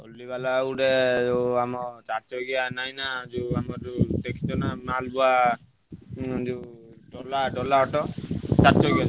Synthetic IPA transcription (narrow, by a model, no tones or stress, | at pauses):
o̰lːiβalauɽed͡ʒeamɔt͡ʃaɾt͡ʃɔɡianajnad͡ʒuamɔd͡ʒut̪ekʰi̥t̪ɔnamalbua | d͡ʒuɖɔlaɖɔlaɔʈɔt͡ʃaɾt͡ʃɔɡia